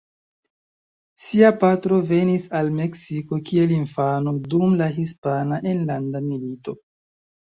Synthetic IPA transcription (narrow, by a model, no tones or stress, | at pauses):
siapatɾo̞ve̞nisalme̞ksiko̞kie̞linfanodumlaɦispanaʔenlandamilito̞